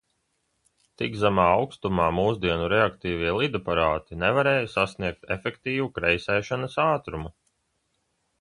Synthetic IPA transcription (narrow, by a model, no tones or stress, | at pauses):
t̪iɡzamaːawkst̪umaːmuːzd̪iɛnuɾeakt̪iːviɛlˠid̪apaɾaːt̪inevaɾeːjusasniɛk̚t̪efʲɛkt̪iːvukɾɛjsɛːʃanɐsaːt̪ɾumu